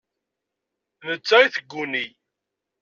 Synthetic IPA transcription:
ðət͡sːæiθəɡʷːuni

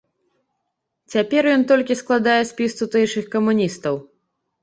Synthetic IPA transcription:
t͡sʲapʲɛrjɔnt̪ɔlʲkʲisklˠad̪ajɛsʲpʲist̪ut̪ɛjʂɨxkɐmunʲist̪ɐw

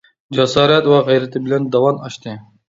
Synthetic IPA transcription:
d͡ʒɛsɑːɾɛt̪wɛʁɛjɾɛt̪ʰɪbɪlɛnd̪ɑwɑnɑʃt̪ʰɨ

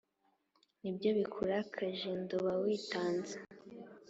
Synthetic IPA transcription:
nibjo̞βikʰuɾakʰaʒendoβawiːtaːnzḁ

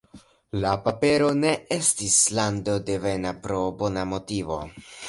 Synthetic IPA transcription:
lapape̞ɾo̞ne̞e̞stislando̞de̞venapɾo̞bo̞namo̞tivo̞̰

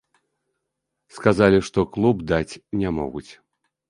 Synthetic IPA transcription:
skazalʲiʂt̪ɔklˠubd̪at͡sʲnʲamɔ̰ɣut͡sʲ

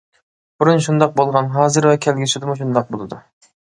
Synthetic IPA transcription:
b̥uɾunʃund̪ɑq̚bolˠʁɑnɦɑːzɨɾvɛkʲʰɛlɡʲisyd̪ɪmuʃ̬und̪ɑq̚bolˠɨd̪u

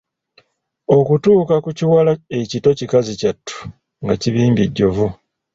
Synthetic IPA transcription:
o̞kutuːkakuciwalae̞cito̞cikazicatʰːu̥ | ŋɡaciβiːmbiɟːo̞vu

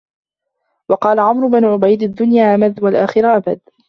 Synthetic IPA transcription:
wɑqɑːlaʕamɾʊbanʊʕʊbajd̪ad̪ːʊnjaːʔamaðwalʔaːxɪɾaʔabad̪

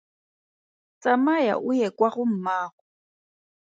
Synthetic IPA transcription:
t͡sʼamaja̰ʔujɛkʼwaɣʊm̩maːɣɔ

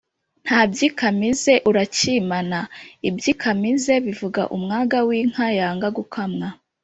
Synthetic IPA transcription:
n̥haːbɟikamize̞ʔuɾacimanaibɟiːkʰamize̞βivuɡa̰ʔṵmŋaːɡawiːŋ̥hajaːŋɡaɡukʰamŋa

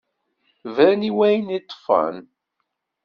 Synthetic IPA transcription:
væniwæjənit̪ˤːfɑ̰n

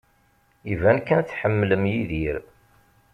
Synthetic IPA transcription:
ivænkænθħəmːləmjiðiɾ

